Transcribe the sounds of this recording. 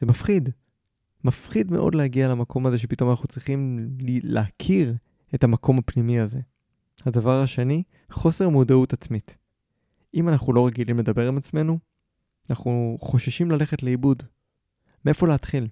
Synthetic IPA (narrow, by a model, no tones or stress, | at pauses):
zemafχid | mafχid̪me̞̰ʔo̞̰dlehaɡialamakʰo̞mazeʃepito̞manaχnut͡sʁiχimllḛakʰiʁ | e̞tamakʰo̞mapnimiaze̞ | hadavaʁhaʃe̞ni | χo̞se̞ʁmudautat͡smit | ʔimanaχulo̞ʁeɡilimle̞dabe̞ʁimat͡sme̞nu | anaχuχo̞ʃaʃimlale̞χetleibud | meʔefo̞leat̪χil